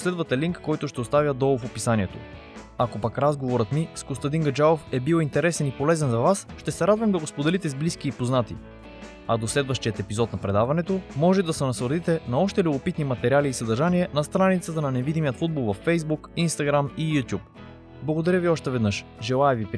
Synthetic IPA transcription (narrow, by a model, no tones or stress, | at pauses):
slɛd̪vɐt̪ɛliŋkːɔjt̪ʊʃt̪ɛost̪avʲjəd̪ɔfopisaniɛt̪o̰ | akopakɾazɡovoɾət̪miskost̪ɐd̪iŋɡɐd͡ʒaofɛbiwˠint̪ɛɾɛsɛnipolɛzɛnzɐvasʃt̪ɛsɛɾad̪vɐmd̪ɐɡospod̪ɛlit̪ɛzbliskiːpoznat̪ḭ | ad̪oslɛd̪vɐʃt̪iət̪ɛpizɔt̪nɐpɾɛd̪avɐnɛt̪omɔʒɛt̪ɛd̪ɐsɛnɐsvəɾd̪it̪ɛnɐɔʃt̪ɛlʲuɡopit̪nimɐt̪ɛɾʲialiːsəd̪əɾʒaniɛnɐst̪ɾanit̪sət̪ənɐnɛvid̪imijət̪fud̪̚bolˠvɐfːɛjzbukinst̪aɡɾamijut̪ʲjup̚ | blˠɐɡod̪ɐɾʲjəviɔʃt̪ɛvɛd̪nɤʃʒɛlˠaɛvipɾ